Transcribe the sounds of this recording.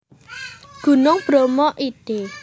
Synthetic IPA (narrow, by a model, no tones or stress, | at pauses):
ɡ̥ṳnʊŋb̥ɾomɔʔid̥e